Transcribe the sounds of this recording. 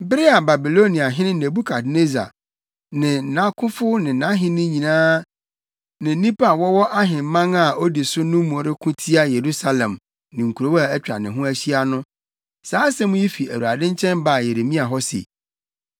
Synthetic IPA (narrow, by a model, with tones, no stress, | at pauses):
bɪ˦ɾɪ˦a˨ba˨bi˨lo˦nĩ˨a˨ɦɪ̃˦nɪ̃˦ne˨bu˦kʰa˨dne˦za̰˨ | nɪ̃˨nã˦kʰʊ̃˦fʊ˦nɪ̃˨nã˦ɦɪ̃˦nɪ̃˦ɲĩ˨nãː˦ | nɪ̃˨n̩˦ĩ˦pa˨wɔ˦wɔ˦ʔa˦ɦɪ̃˨m˦mã˦ŋa˦˨o˦di˨sʊ˦nʊ̃˦mũ˨ɔ˨ɾɪ˦kʰʊ̃˦tʰi˦a˦je˨ɾu˦sa˦lɛ̃˨m | nɪ̃˨ŋ̩˨kʰu˨ɾo˦wa˨ɛ˦t͡ɕᶣɾa̰˨nɪ̃˨ɦʊ̃˦æ˦ɕi˦a˦nʊ̃˦ | saː˨˦sɛ˦mʊ̃˦ji˦fi˨æ˨ɾu˨a˨dɪ̃˦ɲ˦t͡ɕʰɛ̃˦mba˨je˨ɾe˨mĩ˦a˨ɦɔ˦sḛ˨